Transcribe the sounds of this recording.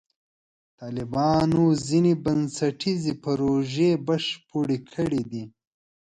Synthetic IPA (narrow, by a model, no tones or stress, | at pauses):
t̪ɑːlɪbɑːnozinibɐnsɐʈʰizipaɾoʒebaʃpoɽikʰəɽid̪i